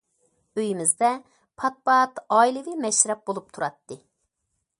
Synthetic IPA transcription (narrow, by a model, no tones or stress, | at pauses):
øjimɪzd̪ɛ | pʰɑt̪̚bɑɑt̪ɑilˠɨwɪmɛʃɾɛp̚bolˠup̚t̪ʰuɾɑt̪ːɨ